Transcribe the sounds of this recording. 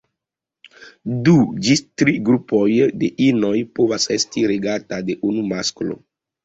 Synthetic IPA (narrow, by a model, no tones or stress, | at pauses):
dud͡ʒitɾiɡɾupojde̞ʔino̞jpovasestiɾeɡatade̞ʔunumasklo̰